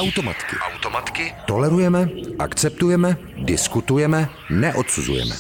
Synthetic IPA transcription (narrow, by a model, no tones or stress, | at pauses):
awt̪oma̰t̪kɪ̰ʔa̰wt̪omat̪kɪt̪olɛɾujɛmɛʔa̰kt͡sɛp̚t̪ujɛmɛ | dɪskut̪ujɛmɛ | nɛʔot̪suzṵjɛ̰mɛ̰